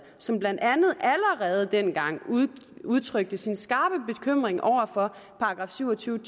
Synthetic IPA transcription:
sɒ̽mblænd̥ænð̞̩ˠʔæləʁɛːð̞ˠd̥enɡ̥ɑ̈ŋ̰uð̞ˠt͡sʰʁœɡ̥̚d̥əsinsɡ̥ɑ̈ːb̥əb̥e̝kʰøm̰ʁeŋʔɒʊ̰ɐfɒ̽pʰɑ̈ɑɡ̥ʁɑ̈ːfsyʊ̰ɒt͡sʰyːʊət͡sʰ

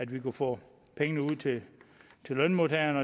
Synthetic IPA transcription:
æd̥ʋikʰufɔ̰ː | pʰeŋənəuð̰ˠt͡sʰe̝t͡sʰe̝lœnmot͡sʰɛɐnɒ

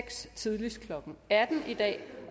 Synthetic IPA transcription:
ɡ̥st͡sʰið̞ˠlis̚kʰlɒ̽ɡ̥n̩æɐd̥n̩id̥ɛ̰ː

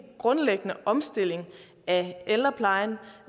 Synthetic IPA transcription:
ɡ̥ʁɔ̽nleɡ̥ənəʔɒ̽msd̥e̝l̰e̝ŋ | ʔæelɐpʰlɑ̈ɪn

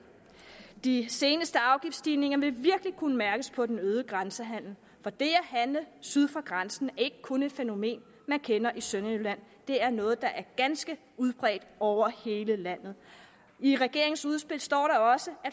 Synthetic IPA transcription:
d̥ise̝ːnəsd̥əɑ̈ʊɡ̥ifd̥sd̥iːne̝ŋɐʋe̝ʋiɐɡ̥əlikʰunəmæɐɡ̥əspʰɒ̽d̥enøːð̞ˠəɡ̥ʁansəɦæn̰l̩ | fɒ̽d̥e̝æɦænləsyð̞ˠfʁɑ̈ɡ̥ʁansn̩æɐe̝ɡ̥əkʰɔ̽ne̝d̥feno̝me̝̰ːn | mænkʰenɐʔisønelæn̰ | d̥e̝æɐnɔ̽ːð̞̩ˠd̥ɑ̈ʔæɐɡ̥ænsɡ̥ə | uð̞ˠb̥ʁɛ̰ːd̥ɒʊ̰ɐhe̝ːləlæn̰ð̞̩ˠ | iʁɛɡ̥e̝̰ɐ̰eŋsuð̞ˠsb̥e̝l̰sd̥ɒ̰ːɾɑ̈ɒ̽səæ

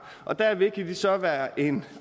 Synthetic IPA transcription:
ʔɒ̽d̥æɐʋe̝kʰæd̥isɒ̽ʋæːɐʔe̝n

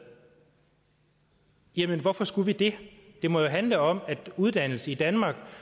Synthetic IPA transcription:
jæmənʋɒfɒ̽sɡ̥uʋid̥e̝d̥e̝mɒjo̝ɦænləɒ̽mæd̥uðˠd̥æn̰l̩səid̥ænmɑ̈ːɡ̥

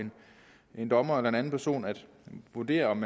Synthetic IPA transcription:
en | ʔe̝nd̥ɒ̽mɐelɐe̝næn̩pʰæɐso̝̰ːnæd̥ | ʋud̥e̝̰ːɐɒ̽mːæ

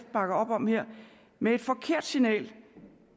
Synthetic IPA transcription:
fd̥̚b̥ɑ̈ɡ̥ɐɒ̽b̥ɒ̽m̰heɐ̰ | mee̝d̥fɒ̽kʰe̝ɐ̰d̥sinɛ̰ːl

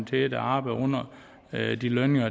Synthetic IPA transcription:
t͡sʰed̥ɑ̈ːb̥ɪɔ̽n̰ɐ | d̥ilœnɪŋɐ

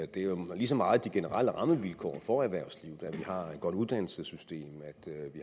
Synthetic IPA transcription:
d̥e̝ælis̬ɒmɑ̈ːð̩ˠd̥iɡ̥e̝nəʁɑ̰l̰əʁɑ̈məʋilkʰɒ̰ːfɒæɐʋæɐ̰ʊsliːʊð̩ˠæʋihɑ̈e̝d̥̚ɡ̥ɒ̽d̥uð̞ˠd̥æn̰l̩səsysd̥e̝̰ːmæd̥ʋi

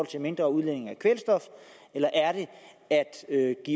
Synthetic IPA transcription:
ɒ̽l̰t͡sʰe̝lme̝nd̥ʁɐuð̞ˠlen̰e̝ŋækʰʋelsd̥ɒ̽f | elɐʔæɐɾ̥e̝ | æd̥øɡ̥ḭ

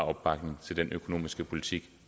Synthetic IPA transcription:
ɒ̽b̥ːɑ̈ɡ̥ne̝ŋt͡sʰe̝ld̥enʔøkʰo̝no̝̰ːmisɡ̥əpʰo̝lit͡sʰiɡ̥

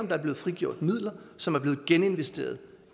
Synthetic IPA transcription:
ɒ̽md̥ɑ̈ɐb̥le̝ːð̩ˠfʁiɡ̥jo̝ɐ̰d̥mið̰ˠlɐsɒ̽mæɐb̥leːɡ̥ene̝nʋesd̥e̝̰ːɐðˠ

